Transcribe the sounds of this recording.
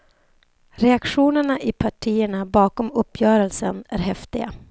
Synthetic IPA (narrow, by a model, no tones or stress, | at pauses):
ɾɛakɧuːnəɳaʔɪpʰaʈʰiːəɳabɑːkɔmɵpːjœːɾəlsənæ̰ɾɦɛft̪ɪɡa